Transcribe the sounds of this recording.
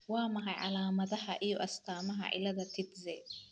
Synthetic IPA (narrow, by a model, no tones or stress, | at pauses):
wɑːmɐɦɐjʕa̰laːmɐðɐɦɐʔijɔʔɐst̪ʰaːmɐɦɐ̰ʔɪ̰lɐðɐt̪ʰɪt̪zɛ